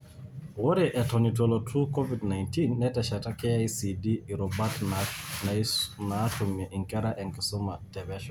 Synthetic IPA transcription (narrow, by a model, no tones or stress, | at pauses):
woɾɛʔɛtɔnitwɔlɔtʰukɔvidnajntinːɛtɛʃatakɛaisidiiɾɔbatnanaːtomiʔiŋkɛɾaʔɛŋkɪsomatɛβɛʃɔ